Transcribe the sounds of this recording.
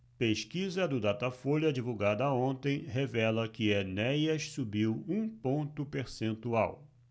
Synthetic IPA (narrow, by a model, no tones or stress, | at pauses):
peʃkizɐd̪ʊd̪at̪ɐfolɐd͡ʒivuɡad̪ɐːõnt̪ẽj̃ɦevɛlɐkɪenɛjɐʃsubiwũpõnt̪ʊpeɾsẽnt̪uaw